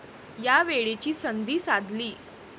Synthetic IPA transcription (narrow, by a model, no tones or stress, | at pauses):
jaʋeɭet͡ɕiːsənd̪iːsad̪ʱliː